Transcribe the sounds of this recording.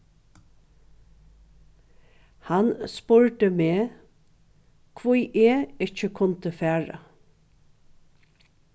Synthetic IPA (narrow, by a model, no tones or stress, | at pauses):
hanspʊɹʈ̪əmeː | kʰʋujʔeːɪt͡ʃəkʰʊnt̪əfæːɹa̰